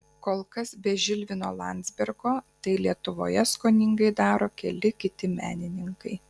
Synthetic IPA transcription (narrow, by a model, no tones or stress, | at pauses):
koːlˠkɐsbʲɛʒʲɪlʲʋʲɪnoːlˠɑ̰ˑnʲd̪zʲbʲɛɾɡoːt̪ɐɪlʲiɛt̪ʊʋo̰ːjɛskoːnʲɪŋɡɐɪd̪ɑːɾoːkʲɛlʲɪkʲɪt̪ʲɪmʲæ̰ːnʲɪnʲɪŋkɐɪ